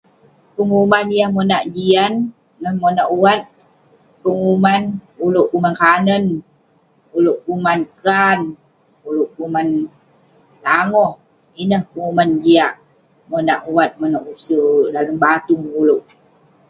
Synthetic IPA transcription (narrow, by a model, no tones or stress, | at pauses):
pəŋumanijahmənaʔd͡ʒianː | əhmənaʔuat̪̚ | pəŋumanuloʔkumankanən | uloʔkumankan | uloʔkuman | t̪aŋɔh | inəhpəŋumand͡ʒiaʔ | mənaʔuwat̪̚mənaʔusəulʔdaləmbat̪uŋuloʔ